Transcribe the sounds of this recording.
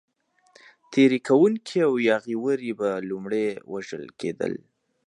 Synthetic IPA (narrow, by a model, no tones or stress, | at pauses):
t̪ʰeɾikʰawuŋkʰiawjɑɣiwəɾibalumɽewʔaʒə̰lkʰḛd̪ə̰l